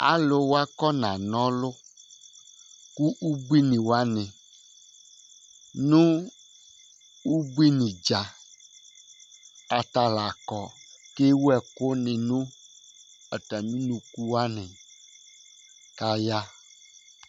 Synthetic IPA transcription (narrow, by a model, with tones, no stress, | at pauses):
a̰˨lo˨wo˦a˦kɔ˦nã˨nɔ̃˦lʊ˦ | ku˦ʔu˦bu˦i˦nĩ˨wa˦nẽ˨ | nũ˦ | wu˦bi˦nĩ˨d͡ʒa˨ | a˨t̪a˨la˨kɔ˨ke˦wu˦ɛ˨ko˦nẽ˨nũ˦ | ɛ˨ta˨mĩ˦nũ˨ku˦wa˦nɛ̃˨ | ka˦ja˦